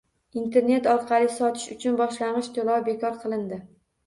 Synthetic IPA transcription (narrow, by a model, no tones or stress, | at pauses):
int̪ʰe̞ɾne̞t̪ɒɾqʰɑlˠɪsɒt̪ʰɪ̥ʃʊt͡ʃʰʊnbɒʃlanʁɨʃt̪ʰolɒwbe̞kʰɒɾqʰɨlˠɪnd̪ɪ